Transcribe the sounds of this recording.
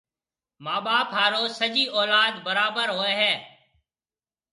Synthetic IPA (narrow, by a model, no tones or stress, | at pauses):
maːɓaːpɦaːɾoːsəd͡ʒiːʔɔːlaːd̪bəɾaːbəɾɦoːeːɦɛː